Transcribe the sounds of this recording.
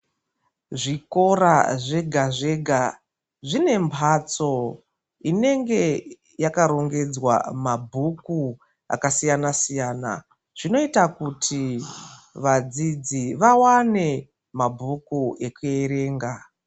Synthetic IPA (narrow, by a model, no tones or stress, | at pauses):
ʐiko̞raʐe̞ɡʱaʐe̞ɡʱa | ʐine̞mpʰat͡so̞ | ine̞ŋɡe̞ | jakaɾo̞ŋɡe̞d͡zwa̰mabʱuku | a̰kasijanasijaːna̰ | ʐ̥ino̞itakutʰi | ʋad͡zid͡ziʋawane̞ | mabʱukue̞kueɾe̞ːŋɡa